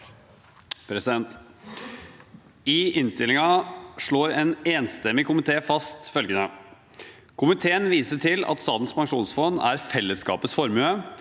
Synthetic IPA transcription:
pʰɾɛsɪd̪ɛnt̪ | ɪɪnst̪ɪlɪŋɑʂɭoːɾɛːneːnst̪ɛmːɪkʊmɪt̪ʰeːfɑst̪fœlɡənə | kʰʊmɪt̪ʰeːənʋiːsəʈʰɪlɑ̰t̪st̪ɑːt̪n̩spɑŋʂuːnsfɔnːæ̰ɾfɛlːəskɑ̰ːpəsfɔɾmʉə

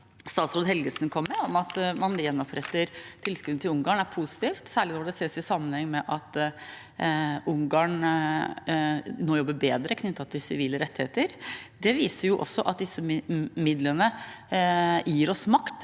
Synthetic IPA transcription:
st̪ɑːt̪sɾoːd̪ɦɛlɡəsn̩kʰɔmːɛɔmɑt̪mɑnjɛnːɔpʰɾɛt̪ːəɾt̪ʰɪlskʉd̪t̪ɪʊŋɡɑːɳæɾpʰusɪ̥t̪iːft̪sæːɭɪnɔɖɛseːsɪsɑmːənhɛŋːmɛʔɑt̪ | ʊŋɡɑːɳ | noːjɔbːəbeːd̪ɾəkʰnʏt̪ːɑt̪ʰɪlsɪʋiːləɾɛt̪ːɪheːt̪əɾd̪ɛʋiːsəɾjʊʔɔ̰sːɔʔɑt̪̚d̪ɪsːəmɪd̪lənə | jiːɾɔsmɑkt̪

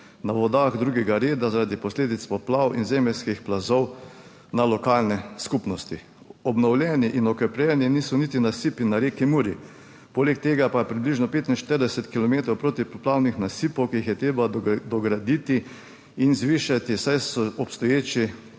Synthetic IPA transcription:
naʋɔd̪axd̪ɾuːɡɛɡaɾeːd̪azaɾad̪ipɔsleːd̪it̪st̪ʋaplawinzɛmɛlskixplazɔw | nalɔkaːlnɛskupnɔst̪i | ɔbnɔwlʲjɛniʔinɔkɛpɾɛniniːsɔnit̪inasipinaɾeːkimuːɾji | poːlɛk̚t̪eːɡapapɾibliʒnɔpeːt̪inʃt̪əɾd̪ɛsɛt̪kilɔmeːt̪ɾɔwpɾoːt̪iplawnixnasipɔwkiixjɛt̪ɾeːbad̪ɔɡɾad̪it̪i | inzʋiːʃat̪isajsɔɔpst̪ɔjeːt͡ʃi

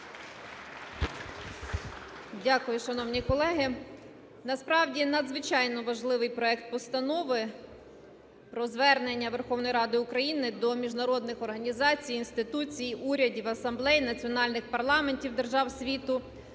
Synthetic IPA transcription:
dʲakʊjʊʃɐnɔwnʲikɔlˠɛɦɪ | nɐspɾɑwdʲinɐd̪zʋɪt͡ʃɑjnɔʋɐʒlˠɪʋɪjpɾɔɛkt̪̚pɔst̪ɐnɔʋɪ | pɾɔzʋɛrnenʲːɐʋerxɔwnɔjɾɑd̪ɪʊkɾɐjinɪd̪ɔmʲiʒnɐɾɔd̪nɪxɔrɦɐnʲizɑt͡sʲijinst̪ɪt̪ut͡sʲijiuɾʲɐdʲiwɐsɐmblˠɛjnɐt͡sʲiɔnɑlʲnɪxpɐrlˠɑmenʲtʲiwd̪erʒɑwsʲʋʲit̪ʊ

